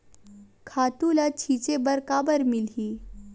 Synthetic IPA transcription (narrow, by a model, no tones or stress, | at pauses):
kʰaːt̪ulat͡ɕʰiːt͡ʃebəɾkaːbəɾmilɦiː